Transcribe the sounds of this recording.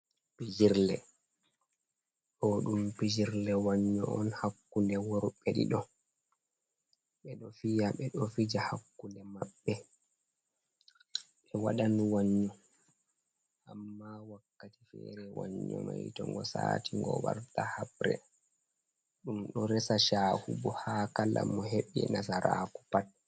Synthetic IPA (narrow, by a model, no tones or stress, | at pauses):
pid͡ʒiɾlɛ | ɗɔɗumpid͡ʒiɾlɛwaɲːɔɔnhakːundɛwoɾuɓɛɗḭɗɔ | ɓɛɗɔfijaɓɛɗɔfid͡ʒahakːundɛmabɓːɛ | ɓɛwaɗanwaɲːɔ | ʔamːawakːati̥fɛɾɛwaɲːɔmajtɔŋɡɔsaːtiŋɡɔwaɾtahabɾɛ̰ | ɗumɗɔɾɛsaʃaːhubɔhakala̰mɔɦeɓinasaɾʔaːku̥pat̚